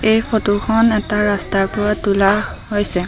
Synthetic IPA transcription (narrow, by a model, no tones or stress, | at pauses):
ejfʰotukʰɔnɛtaɹastaɹpʊɹatula | ɦojsɛ